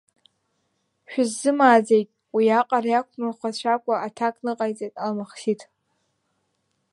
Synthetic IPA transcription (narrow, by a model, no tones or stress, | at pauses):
ʃᶣʊzːɨmaːd͡zejtʼ | wiaqʼarjakʷʰmaχʷat͡ɕʷʰakʷʼaatʰakʼnɨqʼajt͡sʼejtʼalmaχʃitʰʼ